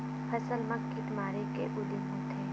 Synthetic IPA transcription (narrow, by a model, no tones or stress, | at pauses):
pʰɐsəlmɐkːit̪maːɾekebud̪imuːt̪ʰe